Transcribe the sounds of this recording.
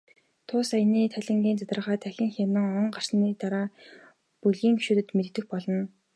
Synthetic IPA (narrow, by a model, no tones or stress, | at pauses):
t̪ʰʊːsajniːt̪ʰæɮʲɪ̆ŋɡʲiːnt͡sat̪rʁaːt̪ʰæxʲɪ̆ŋxʲamə̆ŋɔɴɢar̥sniːt̪aɾaː | puɮɣiːŋɡiʃuːt̪ɘ̆t̪met̪̆̚t̪ɘ̆xpɔɮɞ̆n